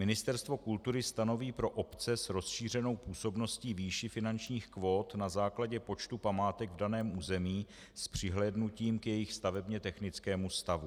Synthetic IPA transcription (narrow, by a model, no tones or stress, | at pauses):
mɪnɪst̪ɛɾst̪vo̞kult̪uɾɪst̪ano̞viːpɾo̞ʔopt͡sɛsɾo̞sʃiːr̝ɛno̞wpuːso̞bno̞sciːviːʃɪfɪnant͡ʃɲiːxkvo̞ːt̪nazaːklaɟɛpo̞t͡ʃt̪upamaːt̪ɛɡvdanɛːmʔuːzɛmiː | spr̝̥ɪɦlɛːdnuciːmkjɛjɪxst̪avɛbɲɛt̪ɛxnɪt͡skɛːmust̪avu